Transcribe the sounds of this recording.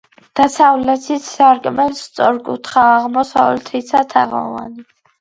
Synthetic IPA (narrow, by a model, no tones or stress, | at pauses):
d̪̥asavlɛt̪ʰisaɾkʼmɛnst̪sʼɔɾkʼṵt̪ʰχaːʁmɔsavɛlt̪ʰit̪sʰat̪ʰaʁɔ̰va̰ni